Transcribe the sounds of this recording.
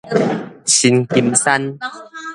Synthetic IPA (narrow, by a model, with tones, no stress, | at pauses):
ɕi˧nki˧msa˦n